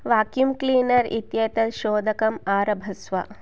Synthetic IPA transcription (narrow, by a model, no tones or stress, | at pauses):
ʋaːkjumkliːnɐɾḭt̪jɐt̪ɐd̪ʃoːd̪ʱɐkɐmaːɾɐbʱɐsʋɐ̰